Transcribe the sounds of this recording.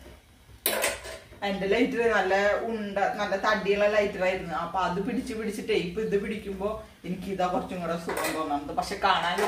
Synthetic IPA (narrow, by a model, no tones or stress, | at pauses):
endelɐjtːilenɐlːɐuɳɖɐnɐlːɐt̪ɐɳɖɖijɐɭːɐlɐjtːilaːjiɾunːuɐpːoɐðɨpiɽit͡ɕːɨpiɽit͡ɕːiʈːejpːɨiðɨpiɽikʲːumbo̞ː | e̞nikʲːiðaːkurɐt͡ɕːuŋːɐɽesukːund̪oːnːɐmɐkːɨpɐkʂe̞ːkaːɳaːn